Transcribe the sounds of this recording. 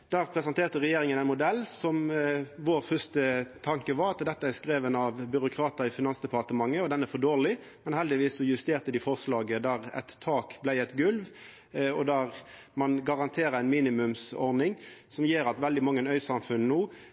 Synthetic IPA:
d̪̥æpʰʁɛsɑnt̪ʰeːʁt̪əʁɛjeːɾɪŋənæɪnmʊd̪ɛlːsɔmʋoːʁfœst̪ət̪ʰɑŋkəʋɑɾɑt̪d̪ɛt̪ːəæskɾeːʋənɑʋbʏɾʊkʰɾɑːt̪əɾɪfɪnɑnsd̪ɛpɑʁt̪əmɑŋːəɔd̪ɛnːæɾfɔdoːʁlɪ | mɛnhɛld̪ɪʋiːsːɔjʉst̪eːʁt̪əd̪ɪfɔʁslɑːɡəd̪æʁɛ̰t̪ʰːɑːkblæɪɛt̪ɡʉlʋ | ɔd̪æʁ | mɑnɡɑʁɑnt̪ʰeːɾəɾæɪnmiːnɪmʉmsɔ̰ɾd̪ɪŋsɔmjeːɾɑt̪ʋɛld̪ɪmɑŋːənœʏsɑmfʉnnuː

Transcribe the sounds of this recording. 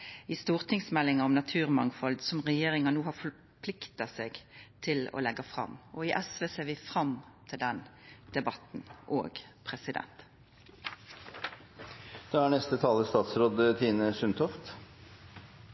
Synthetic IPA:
ɪːst̪uːʁt̪ʰɪŋsmɛlːɪŋɑɔmnɑt̪ʰʉːʁmɑŋfɔld̪sɔmʁɛjeːʁɪŋɑnuːhɑfɔɾ | pʰlɪkt̪ɑseːɡt̪ʰɪlɔ̰ːlɛɡːɑfʁɑ̰mːɔɪʔɛsʋeːseːʋɪfʁɑmt̪ʰɪld̪ɛnd̪̥ɛbɑt̪nʔo̰ːɡpʰʁɛsɪd̪ɛ̰nt̪ | d̪̥ɑːæɳɛst̪ət̪ʰɑːləst̪ɑːt̪sɾoːd̪ət̪ʰiːnəsʉnt̪ʰɔft̪

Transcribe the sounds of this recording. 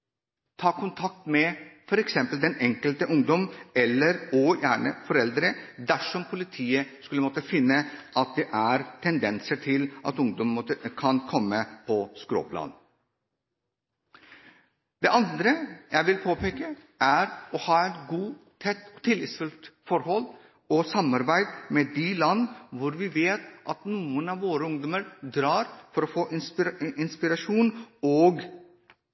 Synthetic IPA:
t̪ʰɑːkʰʊnt̪ʰɑk̚t̪mɛfɔɾɛksɛmpəld̪ɛnɛŋkəlt̪əʔʊŋd̪ɔmɛlːəɾɔjæːɳə̰fɔɾɛld̪ɾəd̪æʂɔmpʰʊlɪt̪ʰiːəskʉlːəmɔt̪ːəfɪnːəɑt̪̚d̪ɛʔæɾt̪ʰɛnd̪ɛnsəʈʰɪlʔɑ̰t̪ʊŋd̪ɔmmɔt̪ːəkʰɑnkʰɔmːəpʰɔskɾo̰ːpʰlɑ̰ːd̪ | d̪ɛːʔɑnd̪ɾəjæɪʋɪlpʰoːpʰeːkəʔæɾɔhɑːɛt̪ɡuːt̪ʰɛt̪ːɔt̪ʰɪlːɪt̪sfʉlt̪fɔɾhɔl | ɔsɑmɑɾbæɪd̪mɛd̪ilɑnːʋʊɾʋɪʋeːt̪ʔɑt̪nuːənɑːʋʋoːɾəʊŋd̪ɔməɾd̪ɾɑːɾfɔɾɔfoːʔɪɪnspɪɾɑʂuːnɔːɡ

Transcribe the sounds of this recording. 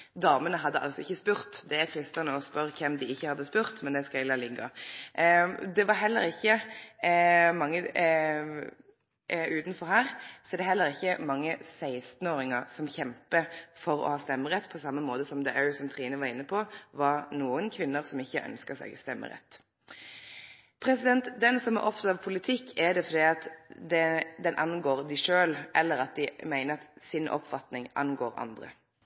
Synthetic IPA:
d̪ɑːmənəɦɑd̪ːəʔɑ̰lsɔɪçːəspʉʁt̪d̪ɛækʰɾɪst̪ənəɔspœɾkʰɛmd̪ɪɪçːəhɑd̪ːəspʉʁt̪mɛnd̪ɛskɑɛɡlɑlɪɡːɑ | d̪ɛʋɑɾɦɛlːə̰ɾɪçːə | mɑŋːə | ʉːt̪n̩fɔɾhæːɾsɔɛd̪ɛɦɛlːəʁɪçːəmɑŋːəsæɪst̪n̩oːɾɪŋəɾsɔmçɛmpəfɔɾɔ̰hɑːst̪ɛmːəʁɛt̪ːpʰɔsɑmːəmoːd̪əsɔmd̪əʔœːsɔmt̪ʰʁiːnəʋɑʁɪnːəpʰɔʋɑʁnuːənkʰʋɪnːəʁsɔmɪçːəʔœ̰nskəsɛ̰ɡst̪ɛmːə̰ʁɛ̰t̪ː | pʰɾɛsɪd̪ɛnt̪d̪ɛnsɔmæ̰ɾʔɔpft̪ɑt̪ɑʋpʰʊlɪt̪ʰɪkʰːɛd̪ɛfɔd̪iːɑt̪d̪ɛd̪ɛnʔɑnɡoːɾd̪ɪʂøːlʔɛlːəɾɑt̪̚d̪ɪmæɪnəɑt̪sɪnʔɔ̰pfɑt̪nɪŋʔɑ̰nɡoːɾɑ̰nd̪ʁə̰

